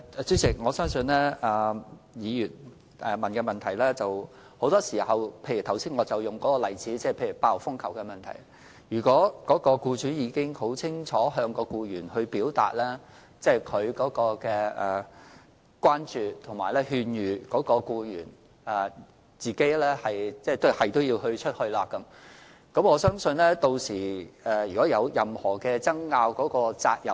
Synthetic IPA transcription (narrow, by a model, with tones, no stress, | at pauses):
t͡sy˥sɪ˨˩k̚ŋɔː˨˧sœː˥ŋsɵ˧nlɛː˥ɐː˨˩ | jiː˨˧jyː˨˩n | ɛ˨mɐ˨nkɛː˧mɐ˨˩nt̪ʰɐ˨˩jlɛː˥t͡sɐ˨w | ho˨˥wt̪ɔː˥siː˨˩hɐ˨wpʰe˧jy˨˩t̪ʰɐ˨˩wsiː˥nŋɔ˨˧t͡sɐ˨wjʊ˨˩ŋkɔː˨˥kɔː˧lɐ˨˩jt͡siː˨˥t͡sɛː˥˩pʰe˧jyː˨˩paː˧˥wfʊ˥ŋkʰɐ˨˩wkɛ˧mɐ˨nt̪ʰɐ̰˨˩j | jyː˨˩kʷɔː˨˥kɔː˨˥kɔː˧kuː˧t͡ʃyː˨˥jiː˨˧kɪ˥ŋho˨˥wt͡sʰɪ˥ŋt͡sʰɔː˨˥ɦœː˧ŋkɔː˧kuː˧jyː˨˩nhɵ˧ɥpiː˨˥wt̪a̰ː˨t̚lɛː˥ | t͡sɛː˥˩kʰɵ˨˧ɥkɔː˨˥kɔː˧kɛː˧ɛ˨ | kwʷaː˥nt͡ʃyː˨t̪ʰʊ˨˩ŋma̰ː˨˩jlɛː˥hyː˧njyː˨˩kɔː˨˥kɔː˧kuː˧jyː˨˩n | ɛ˨ | t͡siː˨ke˥jlɛː˥hɐ˨jt͡sɛː˥˩t̪o˥hɐ˨jt̪o˥wjiː˧whɵ˧ɥt͡ʃʰɵ˥t̚hɵ˧ɥlaː˧kɐ˨˦˥m | kɐ˨˥mɔː˨˧sœː˥ŋsɵ˧nlɛː˥t̪o˧wsiː˨˩ɛː˨˩jyː˨kɔː˨˥jɐ˨˧wjɐ˨mhɔː˨˩kɛː˧t͡sɐ˥ŋːaː˧wkɔː˨˥kɔː˧t͡sa̰ː˧k̚jɐ̰˨˩